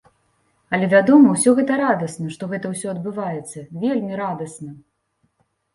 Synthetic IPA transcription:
ɐlʲɛvʲad̪ɔmɐwsʲɔɣɛt̪ɐɾad̪ɐsnɐʂt̪ɔɣɛt̪ɐwsʲɔɐd̪̚bɨvajɛt̪sːɐvʲelʲmʲiɾad̪ɐsnɐ

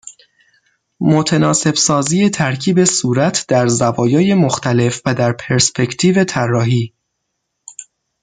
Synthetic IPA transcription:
mo̞t̪ʰenɒːse̞bsɒːziːje̞t̪ʰæɾcʰiːbe̞suːɾæt̪ʰd̪̥æɾzævɒːjɒːje̞moxt̪æle̞fvæd̪æɾpʰe̞ɾspʰe̞cʰt̪ʰiːve̞t̪ʰærːɒːɦiː

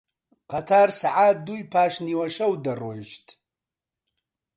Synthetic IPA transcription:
qʰatʰarsaʕaduipʰaʃniwaʃɐwdarojʃtʼ

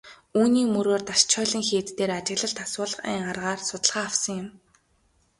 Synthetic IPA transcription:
uːniːmɵɾoːrt̪aʃt͡ɕʰœːɮĭŋxeːt̪t̪eːɾat͡ɕɪ̆ɣɮə̆ɬt̪ʰaswʊːɮə̆χæ̰ːɴɢarʁaːrsʊt̪ə̆ɮχaːawsə̆ŋjʊ̆m

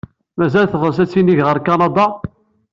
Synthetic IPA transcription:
mæzælθʁəs̬æt͡sːiniʝʁəɾkɑnɑd̪ˤɑ

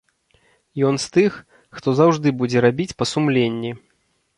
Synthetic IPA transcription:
jɔnst̪ɨx | xt̪ɔzawʐd̪ɨbud͡zʲɛɾabʲit͡sʲpɐsumlʲenʲːi

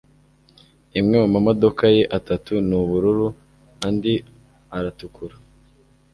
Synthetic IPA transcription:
imŋewamamo̞do̞kaje̞ʔatatunuβuɾuɾu | andi | aɾatukʰuɾḁ

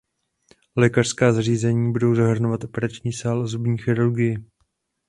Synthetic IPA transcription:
lɛːkar̥skaːzariːzɛɲiːbudo̞wzaɦr̩novat̪ʔo̞pɛɾat͡ʃɲiːsaːlzubɲiːxɪɾuɾɡɪjɪ

